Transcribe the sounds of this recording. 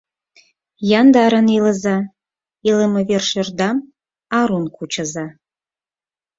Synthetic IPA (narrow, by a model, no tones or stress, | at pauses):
jɑnd̪ɑɾəneləzɑ | eləmə̆verʃĕrd̪ɑm | ɑɾunkʰut͡ɕə̆zɑ